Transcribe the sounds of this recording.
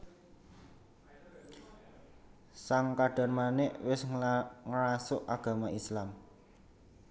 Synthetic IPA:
saŋkaɖ̥a̤rmanɪʔwɪsŋɾasʊʔaɡ̥a̤maʔislam

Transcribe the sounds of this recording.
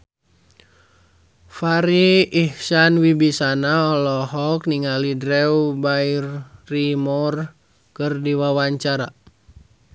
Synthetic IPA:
faɾiːhsanwibisanaɔlɔhɔk̚niŋalidɾɛubairrimɔr | kərdiwawaɲt͡ʃaɾa

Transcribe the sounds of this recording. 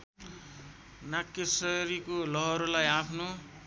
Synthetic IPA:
nakːesʌɾikolʌɦʌɾulajapʰno

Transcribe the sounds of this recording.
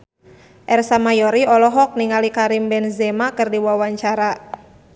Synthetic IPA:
ʔɛrsamajɔɾiɔlɔɦɔk̚niŋalikaɾimbɛnzɛmakɨrdiwawaɲt͡ʃaɾa

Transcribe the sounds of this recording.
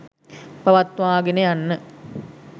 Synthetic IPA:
pɐʋɐt̪ʋaːɡenejanːə

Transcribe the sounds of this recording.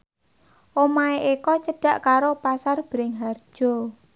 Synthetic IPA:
ʔomaeʔikɔt͡ʃəɖ̥a̤ʔkaɾopasarb̥ɾɪŋɦard̥ʒ̥ɔ

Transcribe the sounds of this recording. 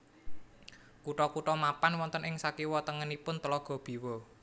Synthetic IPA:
kuʈɔkuʈɔmapanwɔnt̪ənɪŋsakiwɔt̪əŋənipʊnt̪əlɔɡ̥ɔ̤b̥i̤wɔ

